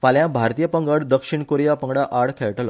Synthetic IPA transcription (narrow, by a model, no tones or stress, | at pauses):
faljãbʱaɾt̪ijəpəŋɡəɽd̪əkʂiɳkoɾjapəŋɡɽaʔaɽkʰeɭʈlɔ̰